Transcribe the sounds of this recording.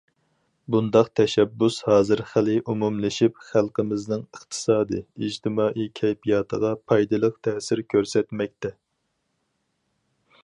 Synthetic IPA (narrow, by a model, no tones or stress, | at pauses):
bund̪ɑqt̪ʰɛʃɛbːushɑːzɨɾχælɪʔumumlɪʃipχælˠqəmɪznɪŋəχt̪ʰɨ̥sɑːd̪ɨid͡ʒt̪ʰɪmɑːʔikʲʰɛjpijɑːt̪ʰəʁɑpʰɑjd̪ɨlˠəqt̪ʰɛːsɪɾkʲʰøɾsɛt̪mɛk̚ʲt̪ɛ